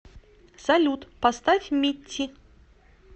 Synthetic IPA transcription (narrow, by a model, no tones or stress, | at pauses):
zalʲut̪past̪afʲmʲitʲːi